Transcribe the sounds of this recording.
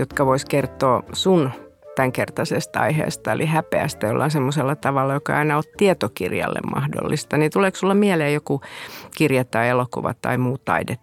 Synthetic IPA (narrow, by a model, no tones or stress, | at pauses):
jot̪kɑʋoiskert̪ˑoːsun | t̪æŋkert̪ɑsest̪ɑ̰ihḛːst̪ɑḛlʔihæpeæ̰st̪æjolːɑːnsemːoselːɑt̪ɑʋɑlːɑjokɑɑinɑot̪t̪iet̪okirjɑ̰lːḛmmɑ̰hdo̰lːist̪ɑnit̪uleːˑksulːɑmiɛleːjjokukirjɑt̪ːɑielokṵʋɑ̰t̪ːɑ̰imuːt̪tɑ̰idet̪ː